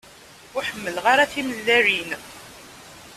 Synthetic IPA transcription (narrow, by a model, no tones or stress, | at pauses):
ʊħəmːəlʁaɾaθimlːæɾin